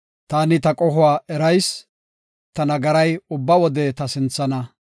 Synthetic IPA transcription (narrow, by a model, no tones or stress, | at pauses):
t̪aːnɪt̪ɐkʼɔɦʊwaːʔɛɾɐjs | t̪ɐnɐɡɐɾɐjʊbːɐwɔd̪ɛt̪ɐsɪnt͡sːɐnɐ